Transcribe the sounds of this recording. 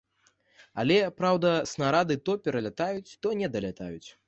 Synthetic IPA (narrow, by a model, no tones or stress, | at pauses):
a̰lʲɛpɾawd̪ɐsnaɾad̪ɨt̪ɔpʲɛɾɐlʲat̪ajut͡sʲt̪ɔnʲɛd̪ɐlʲat̪a̰jut͡sʲ